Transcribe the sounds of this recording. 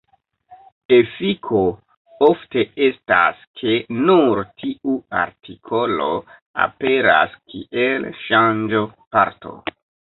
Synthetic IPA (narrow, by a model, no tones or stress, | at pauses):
efikʰo̞ | ofte̞e̞staskʰe̞nuɾtʰiʔua̰ɾtʰikʰo̞lo̞̰a̰pe̞ɾa̰skʰiʔelʃand͡ʒopa̰ɾtʰo̞̰